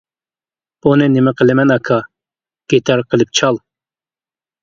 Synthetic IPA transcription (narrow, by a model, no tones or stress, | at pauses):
b̥unɨnɪmɪqʰəlɪmɛnɑkʰɑ | ɡ̥ʲet̪ʰɑɾqʰəlˠɪp̚t͡ʃʰɑlˠ